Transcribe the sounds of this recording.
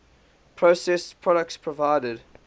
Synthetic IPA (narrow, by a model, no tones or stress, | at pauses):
pʰɹosɛspʰɹ̥ɔɾək̚tspʰɹəvaɪdəd